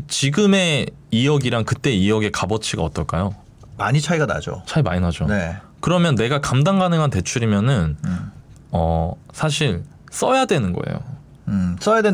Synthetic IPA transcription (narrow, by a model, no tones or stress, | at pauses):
t͡ɕiɡɯme̞ | ijʌɡiɾaŋkɯt͈e̞iʌɡe̞kabʌt͡ɕʰiɡaʌt͈ʌɭk͈ajo | maɲit͡ɕʰaiɡana̰d͡ʑo̰t͡ɕʰaima̰ɲinad͡ʑone̞kɯɾʌmjʌnːe̞ɡakamdaŋɡanɯŋante̞t͡ɕʰuɾimjʌnɯn | ʌsʰaɕ̬ʰiɭ | s͈ʌjadwe̞nɯnɡʌ̰ḛjo̰ | s͈ʌjadwe